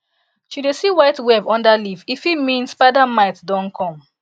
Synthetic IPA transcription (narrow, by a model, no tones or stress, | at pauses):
ʃudesiwaɪtwɛbɔ̃ndalififimĩnspadamaɪtdɔ̃nkʰɔ̃m